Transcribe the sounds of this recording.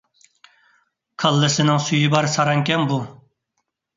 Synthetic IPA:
kʰɑlˠːɨsɪnɪŋsyjibɑɾsɑɾɑŋkʲɛnbu

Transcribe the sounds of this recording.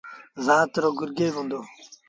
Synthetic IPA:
zaːt̪ɾoːɡuɾɡeːʋũnd̪oː

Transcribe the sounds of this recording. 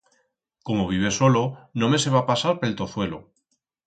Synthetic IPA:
ko̞mo̞β̞iβ̞e̞so̞lo̞no̞me̞se̞βapasaɾpe̞lt̪o̞θwe̞lo̞̰

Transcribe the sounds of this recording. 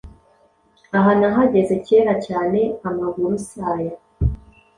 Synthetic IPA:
aɦanaɦaɟe̞ze̞ce̞ɾacaːne̞amaɡuɾusaːja

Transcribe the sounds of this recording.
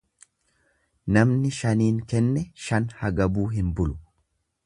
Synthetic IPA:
nɐmnɪʃɐniːŋkɛnːɛʃɐnhɐɡɐbuːɦɪmbʊlʊ̥

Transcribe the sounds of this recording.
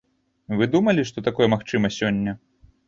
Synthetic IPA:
vɨd̪umɐlʲiʂt̪ɔt̪akɔjɛmaxt͡ʂɨmɐsʲɔnʲːɐ

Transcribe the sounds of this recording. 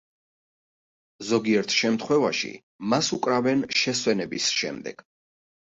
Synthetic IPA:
zɔɡiɛɾt̪ʰʃɛmt̪ʰχwɛvaʃḭ | masukʼɾavɛnʃɛswɛnɛbisʃɛ̰md̪ɛ̰ɡ̥

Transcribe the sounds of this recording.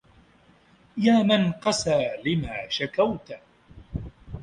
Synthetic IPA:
jaːmanqɑsaːlɪmaːʃakawt̪

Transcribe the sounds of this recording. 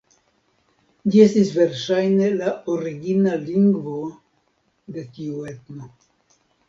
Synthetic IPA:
d͡ʒie̞st̪isve̞ɾʃajne̞laoɾiɡinaliŋɡvo | d̪e̞tiue̞t̪no

